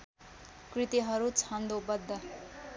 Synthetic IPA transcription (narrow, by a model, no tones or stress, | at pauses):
krit̪iɦʌɾut͡sʰʌnd̪obʌd̪ːʌ